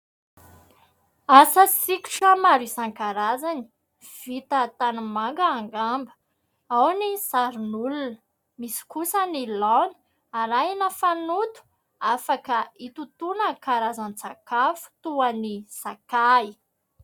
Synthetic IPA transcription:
asəsiku̥ʈ͡ʂamaɾisaŋkaɾazani̥ | v̥it̪ət̪anumaŋɡəːŋɡambə̥ | awnizaɾunulunə | misi̥kusənilanə̥ | aɾainəfanut̪u̥ | afakəit̪ut̪unəkaɾazant͡sakafu̥t̪uanisakai

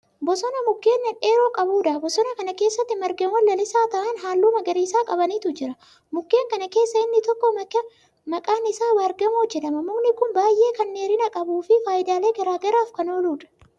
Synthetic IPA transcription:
bɔsɔnɐmʊɡːe̞ːnːɛnʔe̞ːɾoːkʼɐbuːᶑ̪ɐbɔsɔnɐkɐnɐke̞ːsːɐt̪ːɪmɐɾɡɐnwɐlːɐlɪsaːt̪ɐʔɐnɦaːlːuːmɐɡɐɾiːsaːkʼɐbɐniːt̪ʊd͡ʒɪɾɐ | mʊɡːeːŋkɐnɐke̞ːsːɐɪnːɪt̪ɔkːɔmɐk | mɐkʼaːnɪsaːwaːɾɡɐmɔd͡ʒːɛᶑ̪ɐmɐmʊmnɪkʊnbaːjʔe̞ːkɐnːeːɾɪnɐkʼɐbuːfɪfaːjɪd̪aːle̞ːɡɐɾaːɡɐɾaːfkɐnoːluːᶑɐ̥

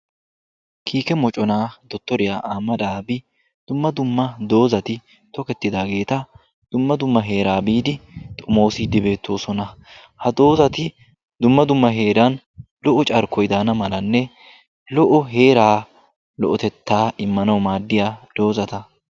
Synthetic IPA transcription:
kʰiːkɛmɔt͡ʃʼɔnaːd̪ɔt̪ːɔɾɪjaːʔaːmɐᶑaːbɪ | d̪̥ʊmːɐd̪ʊmːɐd̪o̞ːzɐt̪ɪ | t̪ɔkɛt̪ːɪd̪aːɡe̞ːt̪ɐ | d̪̥ʊmːɐd̪ʊmːɐɦe̞ːɾaːbiːd̪ɪt̪ʼʊmo̞ːsɪd̪ɪbe̞ːt̪ʰːo̞ːsɔnɐ | hɐd̪o̞ːzɐt̪ɪ | d̪ʊmːɐd̪ʊmːɐɦe̞ːɾɐn | lɔʔɔt͡ʃʼɐɾkɔjd̪aːnɐmɐlɐnːɛ | lɔʔɔɦe̞ːɾaː | lɔ̰ʔɔt̪ɛt̪ːaːɪmːɐnɐwmaːd̪ːɪjad̪̥o̞ːzɐt̪ɐ

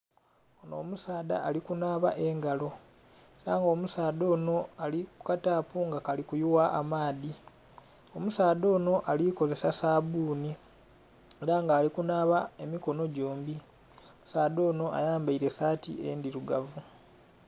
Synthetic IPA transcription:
ono̞̰ːmusaːda̰ːlikunaːβa̰ʔe̞ŋɡalo̞ | eɾaŋɡo̞ːmusaːdo̞ːno̞alikukataːpuŋɡakalikujuwaʔa̰maːði | o̞musaːdo̞ːno̞ʔaliko̞ze̞sasaːβuːni | eɾaŋɡaːlikunaβae̞miko̞no̞ɟoːmbi | omusaːdo̞ːno̞a̰jaːmbaiɾe̞saːtḭe̞̰ndiɾuɡavu

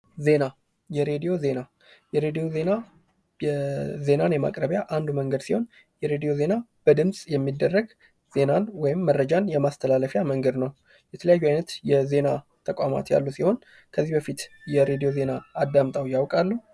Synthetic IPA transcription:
ze̞na | jɛɾe̞d̪ijo̞ze̞na | jɛɾe̞d̪ijo̞ze̞na | jɛze̞nanjɛma̰kʼɾəβjaʔand̪uməŋɡəd̪siho̞n | jɛɾe̞d̪ijo̞ze̞nab̥əd̪ɨmsʼjɛmːid̪ːərːəɡ | z̥e̞nanwɔjɪmːərːəd͡ʒanjɛmast̪ʰəlaləfjaməŋɡəd̪nəw | jɛt̪ʰələjajːuajnət̪jɛze̞na | t̪ʰəkʼama̰t̪ja̰lːusiho̞n | kʰəzːihbəfit̪jɛɾe̞d̪ijo̞ze̞naːd̪ːamt̪ʼawjawkʼalːu

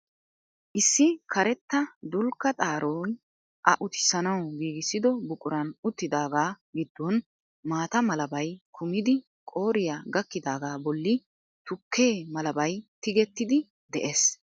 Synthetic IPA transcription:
ʔɪsːɪkʰɐɾɛt̪ːɐd̪ʊlkːɐt̪ʼaːɾoːn | ʔɐʔʊt̪ɪ̥sɐnɐwɡiːɡɪsːɪd̪ɔbʊkʼʊɾɐnʊt̪ːɪd̪aːɡaː | ɡɪd̪ːɔn | maːt̪ɐmɐlɐbɐjkʰʊmɪd̪ɪ | kʼo̞ːɾɪjaɡɐkːɪd̪aːɡaːbɔlːɪ | t̪ʊkʰːeːmɐlɐbɐjt̪ɪɡɛt̪ːɪd̪ɪ | d̪ɛʔeːs

